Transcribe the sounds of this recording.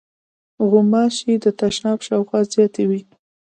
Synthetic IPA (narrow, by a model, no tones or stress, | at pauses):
ɣʊmɑʃid̪ət̪aʃnɑbʃɑwxwɑzjɑt̪ewi